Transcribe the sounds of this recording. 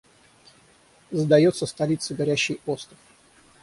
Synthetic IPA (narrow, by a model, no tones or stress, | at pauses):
zd̪ɐjot̪səst̪ɐlʲit̪sɨɡɐɾʲæɕːɪjo̞st̪ɾəf